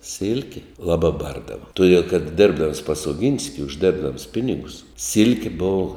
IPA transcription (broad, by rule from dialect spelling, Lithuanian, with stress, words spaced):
ˈsʲɪlʲkʲɪ ˈlˠɑːbɑː ˈbɐrdɐʋɐ tʊˈdʲiɛlˠ kɐt ˈdʲeːrbdɐms pɐs oːˈɡʲɪnʲsʲkʲɪ ʊʒʲˈdʲeːrbdɐms ˈpʲɪnʲɪɡʊs ˈsʲɪlʲkʲeː ˈboːʋʊ